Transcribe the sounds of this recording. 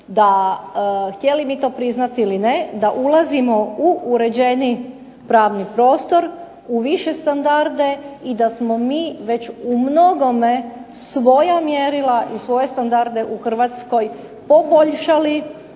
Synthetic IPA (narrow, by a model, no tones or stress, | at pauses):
d̪a | xt̪je̞limit̪o̞ːpɾiznat̪iilined̪aʔulazimo̞uuɾe̞d͡ʑe̞ni | pɾaːʋnipɾo̞ːst̪o̞ɾ | uʋiʃe̞st̪and̪aɾd̪e̞id̪asmo̞miːʋe̞t͡ɕumno̞ɡo̞me̞sʋo̞jamjeɾilaʔisʋo̞je̞st̪and̪aɾd̪e̞ʔuxr̩ʋat̪sko̞j | po̞bo̞ʎʃali